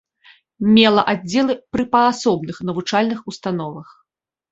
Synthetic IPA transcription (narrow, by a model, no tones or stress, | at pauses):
mʲɛlˠɐʔad͡zʲːɛlˠɨpɾɨpɐasɔbn̪ɨxnɐvut͡ʂalʲnɨxust̪an̪ɔvɐx